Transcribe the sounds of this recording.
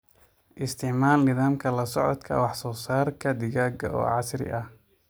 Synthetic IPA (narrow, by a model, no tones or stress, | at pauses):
ʔɪst̪ʰɪʕmaːlnɪðaːmkʰɐlɐsɔʕɔd̪kʰɐ̰wɑħsɔːsaːrkʰɐd̪ɪɣaːɡɐɔ̰ːʕɑsɾɪ̰ʔɐh